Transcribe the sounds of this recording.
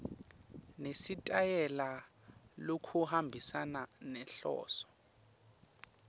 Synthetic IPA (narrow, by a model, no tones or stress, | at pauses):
nesitʼajɛla | lokʰuhambʱisananɛɬɔ̰ːsɔ̥